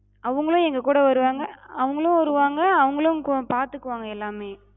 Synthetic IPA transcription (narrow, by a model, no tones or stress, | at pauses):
ɐʋɯŋɡɐɭʊ̃ɛŋɡɐkuːɽɐʋɐɾɯʋaːŋɡɐɐʋɯŋɡɐɭʊ̃ʋɐɾɯʋaːŋɡɐːʋɐŋɡɐɭʊ̃kpaːɾt̪ɯkːɯʋaːŋɡɐɛlːaːmeː